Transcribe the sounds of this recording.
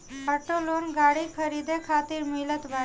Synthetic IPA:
pəʈolonɡaɽiːkʰəɾid̪ekʰat̪iːɾmilət̪ʋa

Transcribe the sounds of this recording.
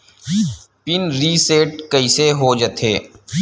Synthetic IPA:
pɪnɾiːseːʈkəiseɦoːd͡ʒət̪ʰeː

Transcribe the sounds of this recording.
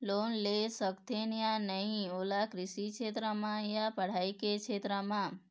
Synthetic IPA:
loːnlesəkt̪enjanəɦĩoːlakɾɪsikt͡ʃʰet̪ɾəmãjapəɽ̤aikekt͡ʃʰet̪ɾəmã

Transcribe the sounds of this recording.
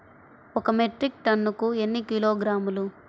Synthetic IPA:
ɔkɐmeʈɾik̚ʈɐnːukue̞nːikiloːɡɾaːmulu

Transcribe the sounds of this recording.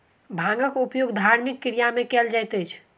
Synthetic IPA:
bʱãŋɡəkupjoɡd̪ʱaɾmikːiɾijamekɛld͡ʒajt̪ət͡ʃʰ

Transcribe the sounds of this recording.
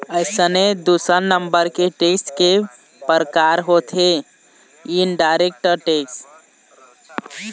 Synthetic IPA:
əjsəned̪usəɾnəmbəɾkeʈeksʈke | pəɾkaɾɦot̪ʰe | inɖajɾek̚ʈəɾʈeksʈ

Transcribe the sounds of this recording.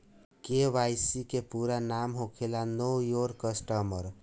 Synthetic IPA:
keʋajsikepuɾanamɦokʰelanojoɾkəsʈəməɾ

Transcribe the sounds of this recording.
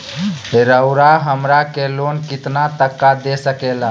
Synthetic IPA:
ɦeɾəʊɾaɦəmɾakelonkit̪nat̪əkːad̪esəkela

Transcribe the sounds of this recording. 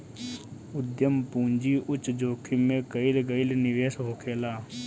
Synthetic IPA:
ʊd̪jəmpũːɲd͡ʒiːʔʊt͡ʃd͡ʒoːkʰimẽkəilɡəɪlnɪʋeːsɦoːkʰeːlaː

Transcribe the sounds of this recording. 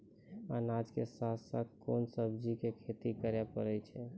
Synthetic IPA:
a̰nad͡ʒkesat̪sat̪konsəbd͡ʒikekʰet̪ikəɾjapəɾɛt͡ʃʰɛ

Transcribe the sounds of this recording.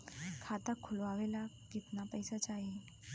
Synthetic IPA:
kʰat̪akʰulʋaʋela | kit̪napəjsat͡ɕaɦi

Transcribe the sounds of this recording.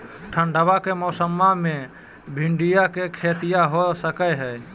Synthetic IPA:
ʈʰəɳɖəbakemɔːsəmːamẽ | bʱɪɳɖijakekʰet̪ijaɦosəkəɦɛː

